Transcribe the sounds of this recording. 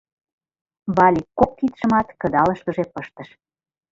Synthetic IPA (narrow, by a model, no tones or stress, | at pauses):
βɑlʲikːok̚t̪it̪ʃə̆mɑt̪kə̆d̪ɑlə̆ʃkə̆ʒepəʃt̪ə̆ʃ